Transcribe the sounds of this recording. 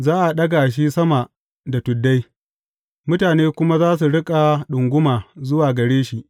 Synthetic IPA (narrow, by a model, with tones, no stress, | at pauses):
zaː˦ʔa˨ɗɐ˦ɡa˨ʃ̬i˦sɐ˦ma˨ | da˨tʊ˨dːa˦j | mʊ˦taː˨neː˦kʷʊ˦ma˦zaː˦s̬u˨ɽɪ˦kʼa˨ɗʊ˨ŋɡʷʊ˦maː˨zʊ˦waː˨ɡɐ˨ɽeː˦ʃi˨ʔ